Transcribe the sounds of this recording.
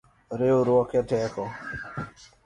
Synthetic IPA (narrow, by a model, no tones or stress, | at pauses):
ɾeoɾwɔkɛtɛkɔ